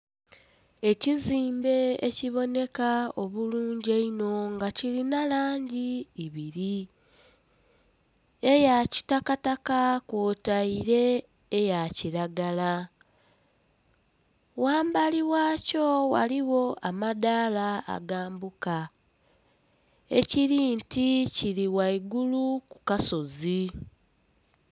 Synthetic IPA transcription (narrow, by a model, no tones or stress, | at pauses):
e̞ciziːmbe̞ḛciβo̞ne̞kao̞βuluːɲɟeino̞ŋɡacilinalaːɲɟiiβiɾi | e̞jaci̥takatakakoːtaiɾe̞ː | jaciɾaɡala | waːmbaliwaːco̞wa̰liwo̞amadaːla̰ːɡaːmbuka | ḛciɾinticiɾiwaiɡuluku̥kaso̞zi